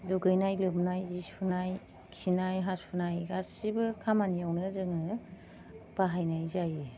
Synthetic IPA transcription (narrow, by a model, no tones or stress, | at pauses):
duɡɯjnajlɯmnajzisunaj | kʰinajɦasunajɡasibɯkʰamanijawnɯzɯŋɯ | b̥aɦajnajzaje